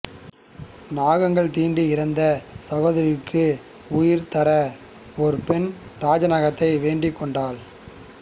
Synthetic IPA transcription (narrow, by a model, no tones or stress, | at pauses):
naːɣɐŋɡɐɭt̪iːɳɖiɪɾɐnd̪ɐsɐɣoːðɐɾɪkːɯ | ʊjɪɾt̪ɐɾɐ | ɔɾɯpɛnɾaːd͡ʒɐnɐɣɐt̪ːɐɪʋeːɳɖɪkːɔɳɖaːl